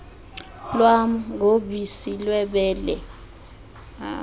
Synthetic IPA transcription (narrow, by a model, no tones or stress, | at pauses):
lwam̩ɡʱoɓisilwɛɓɛːlɛ